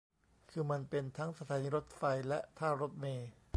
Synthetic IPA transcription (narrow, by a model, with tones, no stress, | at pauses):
kʰɯː˧ma˧npe˧nt̪ʰa˦˥ŋsa˧t̪ʰaː˨˦niː˧ɾo˦˥t̪̚fa˧jlɛ˦˥ʔt̪ʰaː˥˩wɾo˦˥t̪̚meː˧